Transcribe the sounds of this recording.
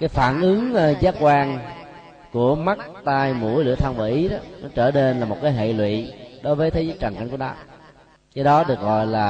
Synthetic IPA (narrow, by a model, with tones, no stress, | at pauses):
kaː˨˦jfaː˧˩nʔɨ˨˦ŋ˧zaː˨˦kwaː˧ŋ | ku˧˩əma˦˥t̚t̪aː˧jmṵ˧˩˥əjlɨ̰˧˨ət̪ʰə˧nŋvaː˨˩ʔi˨˦ɗɔ˨˦nɔ˨˦t͡ɕəː˧˩ne˧nlaː˨˩mo˨˩t̚kaː˨˦jɦḛ˧˨lwḭ˧˨ɗo˨˦jvəː˨˦t̪ʰe˨˦zəː˦˥t͡ɕə˨˩ŋka̰˧˩jŋku˧˩nɔ˨˦ | ke˨˧˦ɗɔ˨˦ɗɨ˨˩ək̚ɣɔ̰˧˨jlaː˨˩